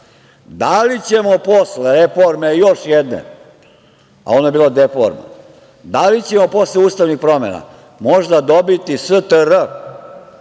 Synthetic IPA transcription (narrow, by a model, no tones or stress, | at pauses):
d̪alit͡ɕemo̞posleɾefoɾmejo̞ʃjed̪nḛ | a̰o̞nojebiːlod̪efoɾma̰ | d̪alit͡ɕe̞mo̞po̞sleuːst̪aʋnixpɾo̞mḛna̰ | mo̞ʒd̪ad̪o̞bit̪isət̪əɾə